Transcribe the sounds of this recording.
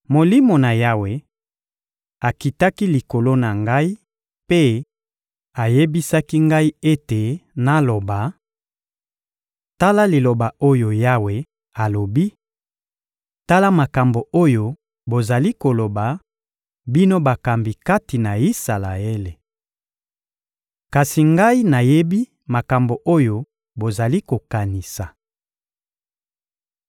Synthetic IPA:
mo˨li˦mo˨na˨ja˦we˨ | a˨ki˨ta˦ki˦li˨ko˨lo˦na˨ŋɡa˦i˦ | pe˦ | a˨je˦bi˦sa˦ki˦ŋɡa˦i˦e˦te˨na˦lo˨ba˨ | ta˦la˦li˨lo˨ba˨o˦jo˨ja˦we˨ | a˨lo˨bi˦ | ta˦la˦ma˨ka˨mbo˨o˦jo˨ | bo˨za˨li˦ko˨lo˨ba˨ | bi˦no˦ba˨ka˨mbi˨ka˦ti˨na˨i˦sa˨la˨e˦le˨ | ka˨si˨ŋɡa˦i˦na˨je˦bi˦ | ma˨ka˨mbo˨ʔo˦jo˦ | bo˨za˨li˦ko˨ka˨ni˨sa˨

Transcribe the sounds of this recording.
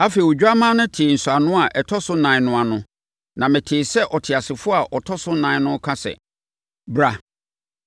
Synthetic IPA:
a˦fe˨i˨wo˨d͡ʑᶣa˦mã˦nʊ̃˦tʰɪ˨n̩˨sʊ˨a˨nʊ̃˦a˨ʔɛ˨tʰɔ˦sʊ˦nã˨nʊ̃˦a˨nʊ̃˦ | nã˨mɪ̃˨tʰɪː˨sɛ˦ʔɔ˨tʰɪ˨a˨sɪ˨fʊ˦a˨ʔɔ˨tʰɔ˦sʊ˦nã˨˦nʊ̃˦kʰã˦sɛ̰˨ | bɾa˦

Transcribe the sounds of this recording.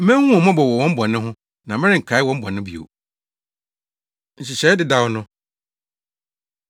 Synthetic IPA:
m̩˦mæ̃˦hũ˦ɔ̃˨mɔ̃˦bɔ˨wɔ˨wɔ̃˦m̩˦bɔ̃˨nɪ̃˦ɦʊ̃˦ | nã˨mɪ̃˦ɾɪ˦˨ŋ̩˨kʰa˨˦ɪ˦wɔ̃˦m̩˦bɔ˨nɪ̃˦bḭ˨o̰˨ | ɲ̩˨ɕi˨ɕɛ˦ɪ˦dɪ˨da˦˨wnʊ̃˦

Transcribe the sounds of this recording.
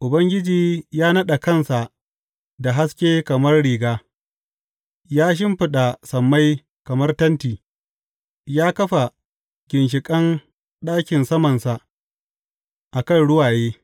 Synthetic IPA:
ʔʊ˨bɐ˦ŋɡʲɪ˦d͡ʒiː˨jaː˦nɐ˦ɗa˨kɐ˦nsa˨ʔ | da˨ɦa˦skʲeː˦kɐ˨mɐ˦rɽiː˨ɡaː˦ | jaː˦ʃ̬ɪ˦mɸɪ˨ɗa˨sɐ˨mːa˦j | kɐ˨mɐ˦rtɐ˦ntiː˨ | jaː˦kɐ˦ɸa˨ | ɡʲɪ˨nʃ̬ɪ˨kʼɐ˦n | ɗaː˦kʲɪ˨nsɐ˦mɐ˨nsa˨ʔ | ʔa˨kɐ˦˨nɽʊ˦waː˨jeː˦

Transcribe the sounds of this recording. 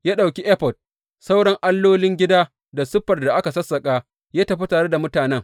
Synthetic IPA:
jaː˦ɗa˨wkʲi˦ʔɛ˦ɸɔ˨d̥̚ | sa˦wɽɐ˦ŋʔa˦lːoː˦lɪ˦ŋɡʲɪ˦daː˦ | da˨sʊ˦ɸɐ˨rda˨ʔa˦ka˨sɐ˦sːɐ˨kʼaː˦ | jaː˦tɐ˦ɸa˦taː˨ɽe˦da˨mʊ˦taː˨nɛ˦ŋ

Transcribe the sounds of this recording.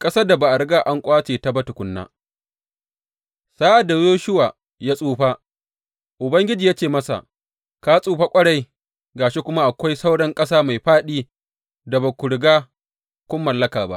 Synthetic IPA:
kʼɐ˦saː˦da˨ba˨ʔa˨ɽɡa˦ʔa˦ŋkʷʼaː˦t͡ʃeː˨ta˦bɐ˦tʊ˨kʷʊ˦nːa̰ː˦ | saː˦ʔa˨da˨joː˦ʃʊ˦waː˨ | jaː˦sʼuː˦ɸaː˦ | ʔʊ˨bɐ˦ŋɡʲɪ˦d͡ʒiː˨ja˦t͡ʃeː˨mɐ˦sa̰˨ʔ | kaː˦sʼuː˦ɸa˦kʷʼɐ˦ɽa˦j | ɡaː˨ʃi˦kʷʊ˦ma˦ʔa˨kʷa˦jsa˦wɽɐ˦ŋkʼɐ˦saː˦ma˨jɸaː˦ɗiː˦ | da˨ba˨kʷʊ˨ɽɪ˨ɡaː˦ | kʷʊ˦mːɐ˨lːɐ˦kaː˨ba̰˦ʔ

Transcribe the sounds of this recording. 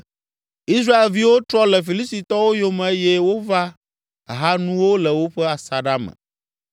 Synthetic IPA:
i˦s̬ɾa˦e˨lvi˦wo˦t̪ɾɔ˦lɛ˨fi˨li˦st̪i˨t̪ɔ˦wo˦jo˦mɛ̃˨e˦jɛ˦wo˦va˦ | ɦa˦nũ˦wo˦lɛ˨wo˦ɸɛ˦a˨sa˨ɖa˦mɛ̰̃˨

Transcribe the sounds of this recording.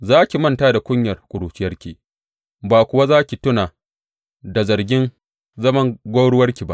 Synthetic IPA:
zaː˦kʲi˨mɐ˦˨ntaː˦da˨kʷʼʊ˦ɲjɐ˨rkʷʼʊ˨ɽuː˨t͡ʃɪ˦jɐ˦rkʲiː˨ | baː˨kʷʊ˨wa˦zaː˦kʲi˨tʊ˦naː˨ | da˨zɐ˨rɡʲɪ˦n | zɐ˦mɐ˦ŋɡʷo˦ɽʊ˦wɐ˦rkʲi˨ba̰˦ʔ

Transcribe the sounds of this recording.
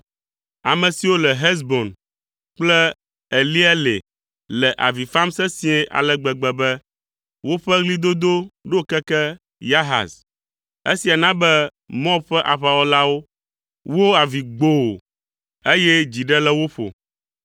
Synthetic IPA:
a˨mɛ̃˨si˨wo˦lɛ˨ɦɛ˦zbo˨n | k͡plɛ˦ | e˨li˦ɛ˦le˨ | lɛ˨ʔa̰˨vi˨fa˦msɛ˦sĩ˦ɛ̃˦ʔa̰˨lɛ˦ɡ͡bɛ˨ɡ͡bɛ˨bɛ˦ | wo˦ɸɛ˦ɣli˦d̪o˦d̪o˦ɖo˦kɛ˦kɛ˦ | ja˦ɦa̰˨s | e˦si˨a˨nã˦bɛ˦ | mɔ̃˦bɸɛ˦ʔa˨ɸa˨wɔ˦la˦wo˦ | wo˦a˨vi˨ɡ͡bo˦wo̰˨ | e˦jɛ˦d͡ʑi˨ɖɛ˦lɛ˦wo˦ɸo̰˨

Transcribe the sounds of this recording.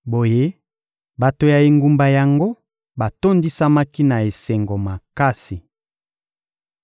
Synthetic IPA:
bo˨je˦ | ba˨to˨ja˨e˨ŋɡu˨mba˨ja˨ŋɡo˦ | ba˨to˦ndi˦sa˦ma˦ki˦na˨e˨sɛ˨ŋɡo˨ma˨ka˦si˨

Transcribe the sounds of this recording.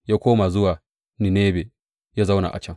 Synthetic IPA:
ja˦kʰʷoː˦ma˨zʊ˦wa˨ | ni˨neː˦be˨ | ja˦za˦wna̰˨ʔa̰˨t͡ʃɐ˦ŋ

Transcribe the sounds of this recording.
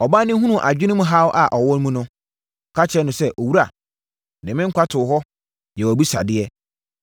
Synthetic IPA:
ɔ˨ba˦nɪ̃˦ɦũ˦nũ˨ʔa˨d͡ʑᶣɪ˦nʊ̃˦mʊ̃˦ɦa˦wʔa˨ʔɔ˨wɔ̃˦n˦mũ˦nʊ̃˦ | ɔ˨kʰa˦t͡ɕʰɛ˦nʊ̃˨sɛ˦ʔo˨wu˦ɾa˨ | nɪ̃˨mɪ̃˦ŋ̩˦kʷʰa˦tʰʊ˨ɦɔ˦ | jɛ˨wæ˨bi˦sa̰˨dɪ˦ɛ˦

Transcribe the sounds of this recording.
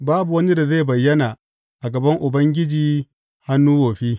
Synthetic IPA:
baː˦bu˨wɐ˦ni˦da˨ze˦˨bɐ˨jːɐ˦na˨ | ʔa˨ɡɐ˨bɐ˦ŋʔʊ˨bɐ˦ŋɡʲɪ˦d͡ʒiː˨ | ha˦nːuː˦woː˨ɸiː˦

